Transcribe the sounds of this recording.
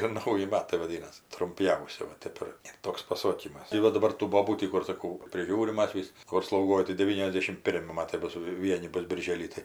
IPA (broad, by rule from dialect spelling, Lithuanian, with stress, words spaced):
ɪr ˈnɐʊjɪ ˈmɑːtɐɪ ʋɐˈdʲiːnɐs trʊmʲˈpʲjɛʊsʲɪ ʋɐ ˈtʲɛp ɪr ɪr ˈtoːks pɐˈsoːkʲiːmɐs tɐɪ ˈʋɐ dɐˈbɐr tuː ˈboːbuː ˈtʲiː kʊr sɐˈkɐʊ pʲrʲɪˈʒʲuːrʲɪm ˈmɐs ʋʲɪs ˈkʊr slˠɐʊˈɡoːj tɐɪ dʲɛˈʋʲiːnʲɛzʲˌdʲeːʃʲɪm ˈpʲɪrʲmʲɪ ˈmɑːtɐɪ ˈbʊs ˈʋʲiɛnʲɪ ˈbʊs bʲɪrʲˈʒʲeːlʲiː tɐɪ